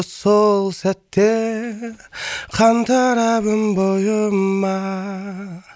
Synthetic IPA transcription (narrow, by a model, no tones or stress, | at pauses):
solˠsæt̪ːe | qʰɑnt̪ʰɑɾɑβəmbojəmɑ